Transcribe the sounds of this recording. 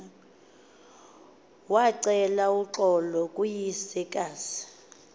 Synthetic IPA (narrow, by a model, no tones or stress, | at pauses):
waǀɛlauǁɔlɔkʼujisikʼaːsi̥